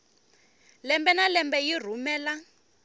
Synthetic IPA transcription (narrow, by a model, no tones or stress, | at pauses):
lɛmbɛnalɛmbɛjir̤umɛːla